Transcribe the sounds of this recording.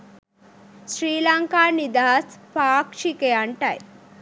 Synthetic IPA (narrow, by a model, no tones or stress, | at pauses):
sɾiːlaŋkaːnid̪aɦɐspaːkʂikeɐɳʈɐj